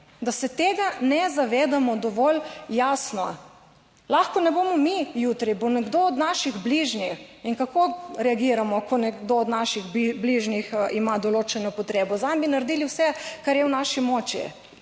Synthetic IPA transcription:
d̪asɛt̪eːɡanɛzaʋeːd̪amɔd̪ɔʋɔljasnɔ̰ | laxkɔnɛboːmɔmijut̪ɾibonɛɡd̪oːd̪naʃiɣbliʒnixiŋkakoɾɛaɡiːɾamɔkɔnɛɡd̪oːd̪naʃiɣbbliʒniximad̪ɔloːt͡ʃɛnɔpɔt̪ɾeːbɔzambinaɾd̪iːliwsɛkaɾjɛwnaʃimɔt͡ʃḭ

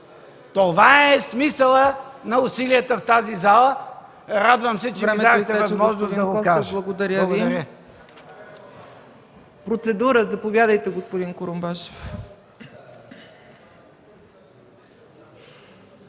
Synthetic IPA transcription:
t̪ovaɛsmisəlˠənɐʊsilijət̪əft̪azizalˠə | ɾad̪vəmsɛt͡ʃɛɾɛimɛd̪avɐt̪ɛvɐzmɔʒnozd̪ɐɡokaʒlˠɐɡod̪ɐɾʲjəviɾ | pɾot̪sɛd̪uɾəzɐpovʲjad̪əjt̪ɛɡospod̪inkoɾombaʃe̥f

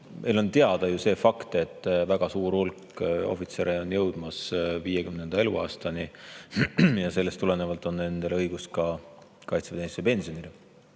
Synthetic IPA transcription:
mʔe̞jlo̞nt̪eɑd̪̥ɑjuse̞ːfɑkt̪e̞t̪ˑːvæɡ̥ɑsuːɾulkːˑo̞̰fit̪se̞ɾeo̞njɤwd̪̥mɑsviːjekymnend̪ɑe̞luɑ̰ːst̪ɑni | jɑse̞lːest̪ule̞ne̞vɑlt̪ːˑo̞nːe̞nd̪̥elɤ̞jɡ̥uskɑ | kɑjt̪sep̪ensepe̞nsionile

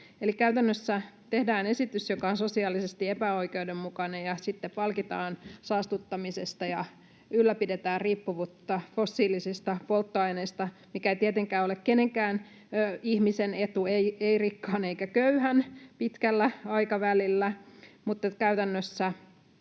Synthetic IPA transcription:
elikæyt̪ænːøsːæt̪ehdæːnesit̪ysjokɑonsosiɑːlːisest̪iepæoikeudemmukɑnejjɑsit̪ːeppɑlkit̪ɑːnsɑːst̪ut̪ːɑmisest̪ɑjɑ | ylːæpidet̪æːrriːpːuʋuːt̪ːɑfosːiːlisist̪ɑpolt̪ːoɑineist̪ɑmikæeit̪iet̪eŋkæːolekkeneŋkæːn | øihmisenet̪ueieirikːɑːneikækøyhænpit̪kælːæɑikɑʋælilːæmut̪ːet̪kæyt̪ænːøsːæ

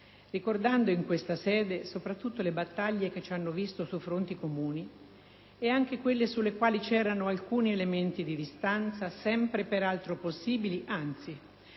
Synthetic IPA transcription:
rikord̪and̪oiŋkwest̪asɛːd̪esopɾat̪ːut̪ːolebat̪ːaʎːek̟et͡ʃːanːovist̪osufɾont̪ikomuːni | eaŋk̟ekwelːesulːekwaːlit͡ʃɛːɾanoalkuːnielement̪id̪id̪ist̪ant̪sasɛmpɾepeɾalt̪ɾoposːiːbiliʔant̪si

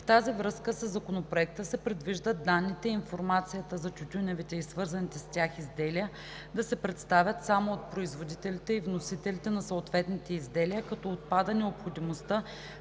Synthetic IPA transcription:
ft̪azivɾɤskəsəzːɐkonopɾoɛk̚t̪əsɛpɾɛd̪viʒd̪əd̪anːit̪ɛiinfoɾmat̪sijət̪əzɐt͡ʃut̪ʲunʲɛvit̪ɛisvɤɾzɐnit̪ɛstʲaxizd̪ɛlijə | d̪ɐsɛpɾɛt̪st̪avʲjət̪samoːt̪̚pɾoizvod̪it̪ɛlit̪ɛivnosit̪ɛlit̪ɛnɐsoot̪vɛt̪nit̪ɛizd̪ɛlijəkɐt̪ɔot̪̚pad̪ənɛopxod̪imost̪ə

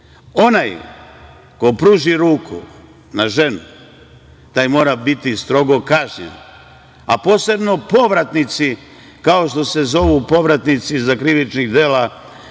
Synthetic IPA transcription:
o̞naj | ko̞pɾuːʒiɾuːkʰṵ | naʒe̞nu | t̪aːjmo̞ːɾabit̪ist̪ɾo̞ɡo̞kaʒɲḛn | apo̞ːse̞bno̞po̞ʋɾat̪nit̪si | kao̞ʃt̪o̞se̞zo̞ʋupo̞ʋɾat̪nit̪sizakɾiʋit͡ʃniɣd̪eːla

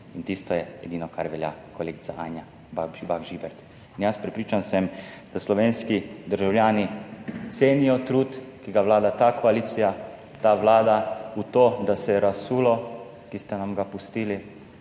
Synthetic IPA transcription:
int̪iːst̪ɔjɛɛd̪iːnɔkaɾʋɛlja̰kɔleːɡit̪saʔaːnja | babaɡʒiːbɛɾt̪ | injaspɾɛpɾiːt͡ʃansɛmd̪̥aslɔʋeːnskid̪əɾʒawljaːnit̪seːnijɔt̪ɾuːt̪kiɡaʋlaːd̪at̪akɔaliːt̪sija | t̪aʋlaːd̪aut̪oːd̪asɛɾasuːlɔ | kist̪anamɡapust̪iːli

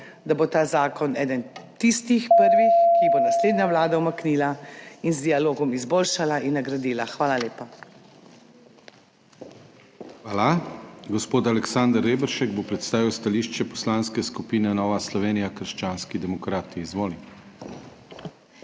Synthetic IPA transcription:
d̪abot̪aːzaːkɔnɛːd̪ɛnt̪ist̪ixpəɾʋixkibonasleːd̪naʋlaːd̪awmakniːlainzd̪ialoːɡɔmizboːlʃalainːaɡɾad̪iːlaxʋaːlaleːpa | xʋaːlaɡɔspoːt̪alɛksand̪ɾːeːbɛɾʃɛɡbopɾɛt̪st̪aːʋiwst̪aliːʃt͡ʃɛpɔ̥slanskɛskupiːnɛnɔːʋaslɔʋeːnijakəɾʃt͡ʃaːnskid̪ɛmɔkɾaːt̪iːzʋoːli

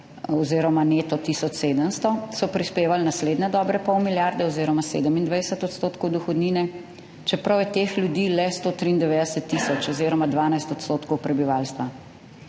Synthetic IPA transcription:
ɔziːɾɔmanet̪ɔt̪isɔt͡ʃseːd̪əmst̪ɔsɔpɾispeːʋalnasleːd̪nɛd̪ɔːbɾɛpɔwmiljaɾd̪ɛɔziːɾɔmasḛːd̪əmind̪ʋajsət̪ɔt̪st̪oːt̪kɔwd̪uxɔd̪niːnɛ | t͡ʃɛpɾɐwjɛt̪exljud̪iːlɛst̪oːt̪ɾiːnd̪ɛʋed̪əsɛt̪ːisɔt͡ʃɔziɾɔmad̪ʋaːnajst̪ɔt̪st̪oːt̪kɔwpɾɛbiʋalst̪ʋa

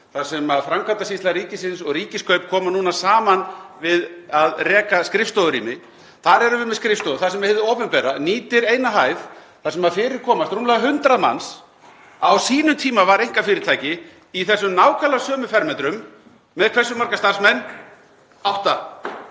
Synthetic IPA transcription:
θasɛmaðfɾaŋkʰvant̪asist̪laɾiːcɪsɪnsɔɣɾiːcɪskʰœɥpkʰɔːmanuːnasaːmanvɪðaðrɛːkaskɾɪfst̪oðʏɾḭːmɪ | θaɾɛɾʏvʏmɛðskɾɪfst̪oðθasɛmvɛhɛvðʏoːpʏnpɛːɾa̰niːt̪ɪɾeːjnaɦaːjð | θasɛmaðfɪːɾɪɾ̥kʰɔːmast̪ɾumlɛɣaɦʏnt̪ɾaðma̰ns | awsiːnʏmt̪ʰiːmavaɾejŋ̥kafɪːɾɪɾ̥t̪ʰaːjcɪː | θɛsːʏmnaːwkʰalasœːmʏfɛɾmɛnt̪ɾʏmː | ɛðkʰvɛrsʏmːaɾkast̪aɾ̥smɛnː | awht̪a

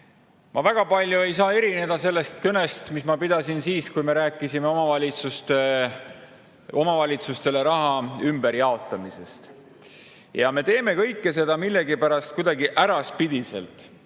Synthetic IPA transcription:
mɑvæɡ̥ɑpɑlʲjue̞jsɑːe̞ɾine̞d̪̥ɑse̞lːe̞st̪køne̞st̪mismɑpid̪̥ɑsinsiːskujme̞ɾæːkːˑisime̞o̞mɑvɑlʲit̪sust̪e | o̞mɑvɑlʲit̪sust̪e̞le̞ɾɑɦɑymb̥e̞ɾjɑo̞t̪ːˑɑmise̞st̪ | jɑme̞t̪e̞ːme̞kɤ̞jkːe̞se̞d̪ɑmilːe̞ɡipæɾɑst̪̚kujd̪ɑɡiʔæɾɑspid̪̥ise̞̰lt̪ˑ

